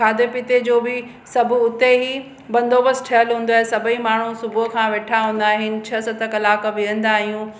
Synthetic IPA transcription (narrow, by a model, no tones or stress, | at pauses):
aːd̪epɪt̪ed͡ʑoːbɪ | sɐbʱʊʊt̪eɦi | bɐ̃nd̪oːbəsʈʰɐjəlɦũːnd̪oaːɦesɐbʱimaːɳ̤usʊbʱʊkʰãːʋeːʈʰaɦũːn̆d̪aːɦɪnɪ̆t͡ɕʰɐsɐt̪əkɐlaːkʋiɦə̃nd̪aːɦijũ